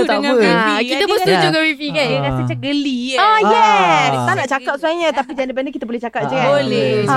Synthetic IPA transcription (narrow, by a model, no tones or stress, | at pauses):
t̪əbəikit̪apəsud͡ʒuɡawifikanɾasət͡ʃaɡəliajɛt̪anaʔt͡ʃakat̪̚suaɲat̪apid͡ʒɛndəp̬ɛndəkit̪abolɛht͡ʃakat̪̚d͡ʒəkaole